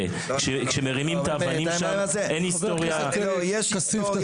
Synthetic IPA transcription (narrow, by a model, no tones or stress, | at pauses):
kʃekʃemeʁimimt̪aːvanimʃamʔenist̪oʁjaojeʃasif